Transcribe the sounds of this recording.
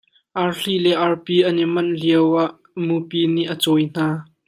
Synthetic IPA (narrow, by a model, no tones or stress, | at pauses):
ʔɐɹɬilɛʔɐɹpiʔɐnimɐnliəwaʔ | mupiniʔət͡sɔjn̥aː